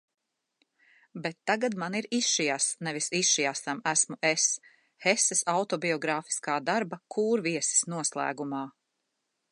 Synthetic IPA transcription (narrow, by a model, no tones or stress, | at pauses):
bet̪ːaɡad̪maniɾisʃijasnɛvisisʃijast̪amæsmuʔes | hesɛsawt̪ɔbiɔɡɾaːfi̥skaːd̪aɾbɐkʰuːɾviɛsi̥snuɔslˠæ̰ːɡumɑː